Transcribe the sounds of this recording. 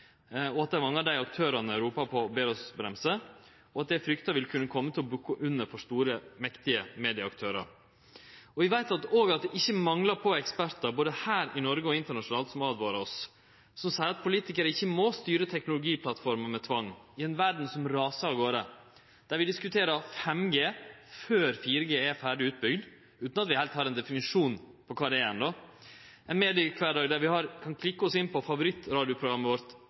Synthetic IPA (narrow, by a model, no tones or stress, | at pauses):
ɔɑt̪̚d̪æɪmɑŋːɑd̪æɪɑk̚t̪ʰøːɾɑnəɾuːpɑpʰɔbeːɾɔsbɾɛmsə | ɔɑt̪̚d̪æfɾʏkt̪əʋɪlkʰʉnːəkʰɔmːət̪ʰɪlɔbʉkːəʔʉnːəɾfɔʂt̪uːɾəmɛkt̪ɪəmeːd̪ɪɑɑkt̪ʰøːɾɑ̰ɾ | ɔʋɪʋæɪt̪ɑt̪oːɡɑt̪̚d̪ɛʔɪçːəmɑŋlɑɾpʰɔɛkspæɾt̪əɾboːd̪əhæːɾɪnɔɾɡəɔɪnt̪əɳɑʂʊnɑːlt̪sɔmɑːd̪ʋoːɾəɔs | sɔmsɛɪɾɑt̪̚pʰʊliːt̪ɪkəɾəɪçːəmost̪yːɾət̪ʰɛknʊlʊɡiːpʰlɑt̪fɔɾməmɛt̪ʰʋɑŋːɪɛnʋæɖɳ̩sɔmɾɑːsɑɡoːɾə | d̪̥æɾʋɪd̪ɪskʉt̪ʰeːɾəɾfɛmɡeːføːɾfiːɾəɡeːɛfæːɖɪʉːt̪̚bʏɡd̪ | ʉːt̪nɑt̪ʋɪhɛlt̪hɑːɾɛnd̪ɛfɪnɪʂuːn | pʰɔkʰɑːd̪ɛɛɛnd̪oː | ɛnmeːd̪ɪəkʰʋæːɖɑːɡd̪æɾʋɪhɑɾkʰɑnkʰlɪkːəɔsɪnpʰɔfɑʋʊɾɪt̪ːɾɑːd̪ɪʊpʰɾʊɡɾɑmːəʋɔɾt̪